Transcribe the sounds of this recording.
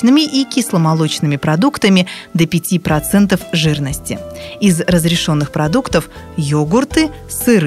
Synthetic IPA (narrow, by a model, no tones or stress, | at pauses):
nɨmʲɪʔikʲɪslˠəmɐlˠot͡ɕnɨmʲɪpɾɐd̪ukt̪əmʲɪd̪əpʲɪtʲipɾɐt̪sɛnt̪əfʐɨrnəsʲtʲɪ̰ɪzrəzɾʲɪʂo̞nːɨxpɾɐd̪ukt̪əf | joɡʊrt̪ɨsɨɾ